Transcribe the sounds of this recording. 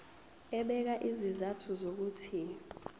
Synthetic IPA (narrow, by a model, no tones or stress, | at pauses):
ɛɓɛk̬aʔizizatʰuzok̬uːtʰi